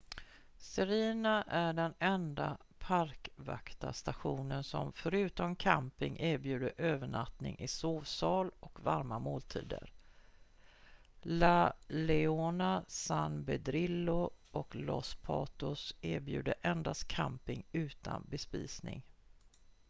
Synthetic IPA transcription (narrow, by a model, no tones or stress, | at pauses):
sɛɾiːnaʔæɖɛnɛnd̪a | pʰaɾkva̰kt̪a̰st̪aɧuːnənsɔmfœɾʉ̟ːt̪ɔmkʰampɪŋʔæːɾbjʉ̟ːd̪əɾʔøːvəɳat̪nɪ̰ŋʔɪsoːvsɑːlɔkvaɾmamoːlt̪ʰḭːd̪ə̰ɾ | lalɛoːnasanbɛd̪ɾɪlːʊʔɔklɔspʰɑːt̪ʊsɪːɾbjʉ̟ːd̪əʔɛnd̪ast̪kʰampɪŋʉ̟ːt̪ʰa̰nbɛspḭːsnɪ̰ŋ